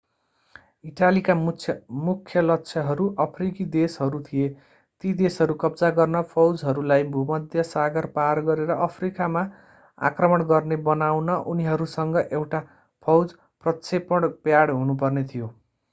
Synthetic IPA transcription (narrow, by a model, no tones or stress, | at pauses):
iʈalikamukʰːjʌlʌkt͡sʰʌɦʌɾuʔʌpʰrikid̪esɦʌɾut̪ʰije | t̪id̪esɦʌɾukʌbd͡zaɡʌrnʌpʰʌwd͡zɦʌɾulajbʱumʌd̪ʱjʌsaɡʌrparɡʌɾeɾʌʔʌpʰrikama | a̰krʌmʌɽɡʌrnebʌnawnʌʔuniɦʌɾusʌŋɡʌʔewʈa | pʰʌwd͡z | prʌt̪sʰepʌɽpjaɽɦunup̬ʌrnet̪ʰijo